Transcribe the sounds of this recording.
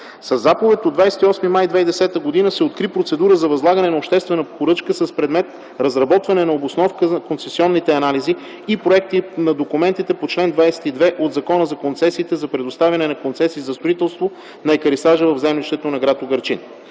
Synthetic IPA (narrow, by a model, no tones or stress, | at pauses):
sɐzːapovɛt̪ʲod̪vajsɛ̥t̪iɔsmimajd̪vɛid̪ɛsɛt̪əɡod̪inəsɛot̪kɾipɾot̪sɛd̪uɾəzɐvɐzlˠaɡɐnɛnɐopʃt̪ɛst̪vɛnəpoɾɤt͡ʃkəsɐspɾɛd̪mɛt̪ | ɾɐzɾɐbɔt̪vɐnɛnɐobosnɔfkəkont̪sɛsiɔnːit̪ɛɐnalizi | ipɾoɛk̚t̪inɐd̪okumɛnt̪it̪ɛpot͡ʃlɛnd̪vajsɛ̥t̪id̪vɛʔod̪zɐkɔnəzɐkont̪sɛsiːt̪ɛzɐpɾɛd̪ost̪avʲɐnɛnɐkont̪sɛsiːzɐst̪oit̪ɛlˠst̪vo | nɐɛkəɾisaʒəvɐvzɛmliʃt̪ɛt̪onɐɡɾat̪oɡɐɾt͡ʃin